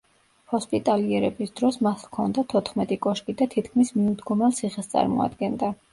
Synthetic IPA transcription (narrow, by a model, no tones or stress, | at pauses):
hɔspʼit̪ʼaliɛɾɛbisd̪̥ɾɔsmasvkʰɔnd̪at̪ʰɔt̪ʰχmɛt̪ʼikʼɔʃkʼid̪at̪ʰit̪ʰkʰmismiud̪ɡɔmɛlˠt̪sʰiχɛst̪sʼa̰ɾmɔ̰a̰d̪ɡɛnd̪a